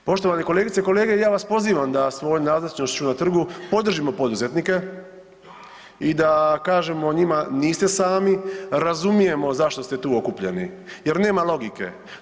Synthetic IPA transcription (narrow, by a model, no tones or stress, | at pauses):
po̞ʃt̪o̞ʋaneko̞leːɡit̪eko̞le̞ːɡe̞jaːʋaspo̞ziːʋamd̪asʋo̞jnaːznat͡ʃnoʃt͡ɕunat̪r̩ɡupo̞d̪r̩ʒimo̞po̞d̪uze̞t̪nike̞ | id̪akaːʒe̞mo̞ɲimaniːst̪e̞saːmiɾazumije̞mo̞zaʃt̪ost̪e̞t̪uːo̞kupʎe̞̰nije̞ɾne̞ːmalˠo̞ɡike̞̰